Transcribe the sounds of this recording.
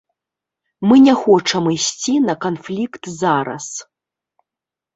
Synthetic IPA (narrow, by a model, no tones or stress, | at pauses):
mɨnʲɛxɔt͡ʂɐmɨjsʲt͡sʲinɐkanflʲikt̪zaɾɐ̰s